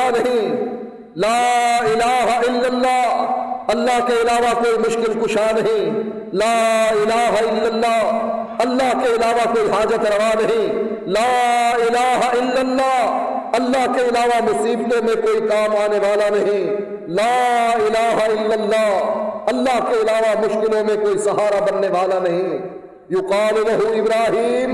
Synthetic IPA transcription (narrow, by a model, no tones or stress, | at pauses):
nɐɦĩ | laːɪlaːɦɪlːəlːaːɐlːaɦkeɪlaːʋakoːimʊʃkɪlkʊʃanɐɦĩː | laːɪlaːɦɪlːəlːaː | ɐlːaɦkeɪlaːʋakoːiɦaːd͡ʒət̪ɾɐʋanɐɦĩː | laːɪlaːɦaɪlːɐlːaːɐlːaɦkeɪlaːʋamʊsiːbt̪õmẽkoːikaːmaːneʋaːlanɐɦĩː | laːɪlaːɦaɪlːɐlːaːɐlːaːɦkeɪlaːʋamʊʃkɪlõmẽkoːisɐɦaːɾabɐnːeʋaːlanɐɦĩː | jʊqaːlulɐɦuɪbɾaːɦiːm